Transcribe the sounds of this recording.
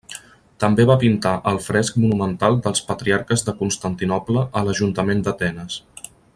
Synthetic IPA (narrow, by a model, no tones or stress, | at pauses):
t̪əmbeβapint̪aʔəlˠfɾɛsk̚munumənt̪alˠd̪əlˠspət̪ɾiaɾkəzðəkunst̪ənt̪inɔpləʔələʒunt̪əmend̪ət̪ɛnəs